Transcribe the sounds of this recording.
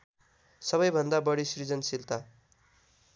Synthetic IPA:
sʌβʌjbʱʌnd̪abʌɽisrid͡zʌnsilt̪a

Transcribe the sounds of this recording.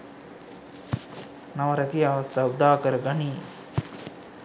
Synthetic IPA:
naʋəɾakiaʋɐst̪ʰaud̪aːkəɾəɡaniː

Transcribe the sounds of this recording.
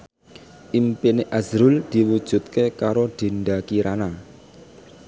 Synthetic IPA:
ʔimpineʔazɾʊld̪̥i̤wud̥ʒ̥ṳt̪̚kekaɾoɖ̪̥e̤nɖakiɾana

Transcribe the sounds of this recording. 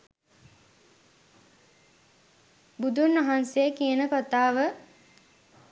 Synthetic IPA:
bud̪unːʋaɦansejəkijənəkot̪aːʋə

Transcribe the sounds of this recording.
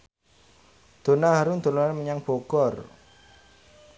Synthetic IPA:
d̪̥o̤naɦaɾund̪̥olonaməɲaŋb̥oɡ̥ɔ̤r

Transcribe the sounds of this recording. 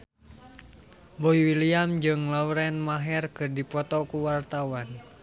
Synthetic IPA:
boiwiliamd͡ʒɨŋlauɾɛnmaɦɛrkɨrdipɔt̪ɔkuwart̪awan

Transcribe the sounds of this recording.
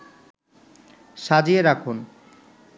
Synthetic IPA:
ʃad͡ʑieɾakʰun

